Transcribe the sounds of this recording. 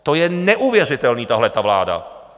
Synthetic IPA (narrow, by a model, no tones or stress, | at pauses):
t̪ɔjɛɲɛʔuʋɪjɛɾit̪ɛlniːt̪aɦlɛt̪aːʋla̰ːd̪a̰